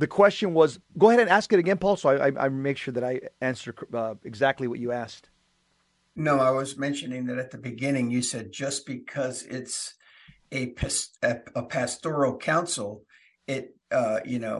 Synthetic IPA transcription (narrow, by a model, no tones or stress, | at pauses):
ðɨkʰw̥ɛst͡ʃɨ̃nwʌz | ɡ̥oʊəhɛɾɨ̃næskɨɾɨɡɛ̃npʰɔlˠsoaɪʔa̰ɪʔa̰ɪmeɪkʃʊɹðɨɾaɪæ̃nsə˞kʰɨɡzæk̚tˡliwʌt͡ʃɨæskt̚ | noʊaɪwʌzmɛ̃nʃɨnɪ̃ŋðɨɾɨt̪̚ðɨbɨɡɪ̃nɪ̃ŋjɨsɛd̚d͡ʒʌsb̥ɨkʰʌzɪts | ɨpʰɨəpʰæstɔɹl̩ˠkʰãʊ̃nsl̩ˠ | ɪt̚ | ʌjɨ̰noʊ